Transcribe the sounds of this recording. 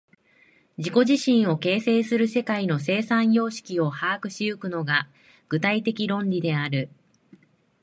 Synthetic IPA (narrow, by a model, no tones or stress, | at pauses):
d͡ʑiko̞ʑiɕĩɰ̃o̞ke̞ːse̞ːsɨɾɯ̟se̞kaino̞s̬e̞ːsãɰ̃jo̞ːɕi̥kʲio̞haːkɯ̟ɕiɯkɯ̟no̞ɡa | ɡ̥ɯ̟t̪ait̪e̞kʲiɾõ̞ɲɾʲid̪e̞aɾɯ̟